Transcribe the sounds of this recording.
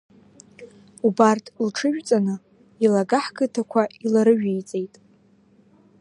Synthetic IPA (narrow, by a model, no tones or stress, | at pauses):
ubartʰʼlʈ͡ʂʰɨʒᶣt͡sʼanɨ | ilaɡaħɡɨtʰakʷʰailaɾɨɥᶣijt͡sʼe̞jtʼ